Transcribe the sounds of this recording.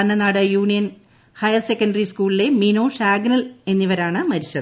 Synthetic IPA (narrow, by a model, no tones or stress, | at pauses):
ɐnːɐnaːɽɨjuːɳijɐn | hɐjɐrsekːɐɳɖɐriskuːɭile̞mino̞ːʂaːɡnɐle̞nːiʋɐɾaːɳɨmɐɾiɕːɐðɨ